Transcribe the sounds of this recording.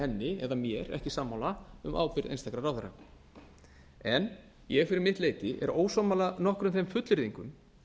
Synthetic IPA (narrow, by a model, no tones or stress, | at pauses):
ɛnːɪɛðamjɛɾɛ̰hcɪsaːmːawlaʏ̰mʔa̰ːwpɪɾðḛjnst̪akɾarawðʏɾa̰ | ɛn | jɛɣfɪɾɪɾmɪht̪leːjt̪ɪʔɛ̰ɾoːwsɔmalanɔhkɾʏmθejmfʏt̪lʏɾðiŋkʏm